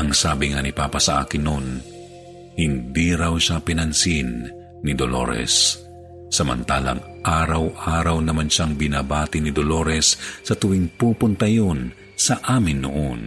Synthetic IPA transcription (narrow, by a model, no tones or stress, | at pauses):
ʔɐŋsaːbɪŋanɪpaːpɐsɐʔa̰ːkɪnːon | hɪnd̪iɾɐwʃapɪnɐnsɪnː | ɪd̪olo̰ɾɛ̰sː | ɐmɐ̰nt̪aːlɐ̰ŋ | ʔaːɾɐwʔaːɾɐwnɐmanʃaŋbɪnabaːt̪ɪnɪd̪olo̞ːɾɛsːɐt̪ʊwɪŋpuːpʊnt̪ɐjon | sɐʔaːmɪnːo̰ʔon